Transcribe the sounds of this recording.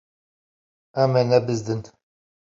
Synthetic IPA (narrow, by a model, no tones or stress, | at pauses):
æmɛnɛbɨzd̪ɨnt̪